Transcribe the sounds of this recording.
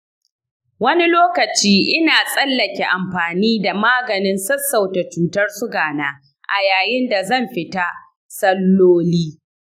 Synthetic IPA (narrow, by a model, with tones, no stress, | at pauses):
wɐ˦ni˦loː˦kɐ˨t͡ʃiː˦ʔɪ˦naː˨sʼɐ˦lːɐ˨kʲe˨ʔa˨mɸaː˨niː˦da˨maː˦ɡɐ˨nɪ˦nsɐ˦sːa˨wta˨t͡ʃuː˨tɐ˦rsʊ˦ɡaː˨naː˦ | ʔa˨jaː˨jɪ˦nda˨zɐ˦˨mɸɪ˨ta˦ | sɐ˦lːoː˦liː˦